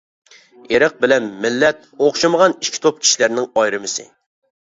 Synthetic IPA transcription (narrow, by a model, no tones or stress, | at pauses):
eɾɨq̚bɪlɛnmɪlːɛt̪̚oχʃiməʁɑniʃkʲʰi̥t̪ʰop̚kʲʰi̥ʃilæɾnɪŋɑjɾɨmɨsɨ̰